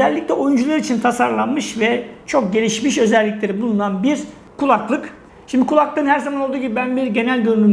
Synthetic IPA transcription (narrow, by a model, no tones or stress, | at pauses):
øzɛlʲːiclʲɛojund͡ʒulˠaɾit͡ʃʰint̪ʰasaɾlˠanmɯʃvɛt͡ʃʰo̞k̚ɟe̞lʲiʃmiʃø̞zɛlʲːiclʲe̞ɾibulˠunanbiɾ | kʰulˠaklˠɯk | ʃimd̪ikʰulˠaklˠɯɯnhæɾzamanolˠd̪uːɟibibænbiɾɟe̞nælʲd̪ønyny